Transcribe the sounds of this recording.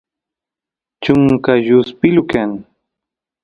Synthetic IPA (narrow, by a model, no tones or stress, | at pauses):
t͡ʃʊŋkajʊspɪlʊkaŋ